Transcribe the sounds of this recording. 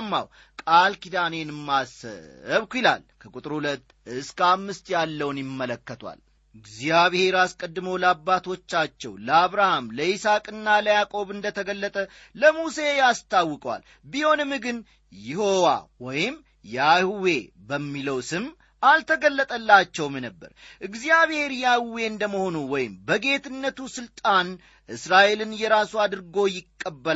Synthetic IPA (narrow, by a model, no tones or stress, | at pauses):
mːa̰w | kʼalkid̪ane̞nɨmːasə̰əβkʷuila̰lkʰəkʼut̪ʼɨɾhulət̪ːɨskʰamːɨst̪jalːəwnjɪmːələkːət̪ʰwa̰l | ɪɡzjjaβihe̞ɾaskʼəd̪ːɨməwləabːat̪ʰo̞t͡ʃːat͡ʃːɛwləaβɾahamləisakʼɨnːaləjakʼo̞βɨnd̪ət̪ʰəɡəlːət̪ʼə | ləmuse̞jast̪ʰawːɨkʼəwa̰l | biho̞nɨmːɡɨn | jɪho̞wa̰wɔ̰jɪm | jahuwe̞ | bəmːiləwsɨm | alt̪ʰəɡəlːət̪ʼəlːat͡ʃːɛwmnəbːə̰ɾʔɨɡzijaβhe̞ɾjahuwe̞ɨnd̪əməho̞nuwɔjɪmbəɡe̞t̪ʰɨnːət̪usɨlt̪ʼan | ʔɨsɾaʔe̞lɨnjɛɾasuad̪ɨɾɡo̞jɪkʼːəbːəl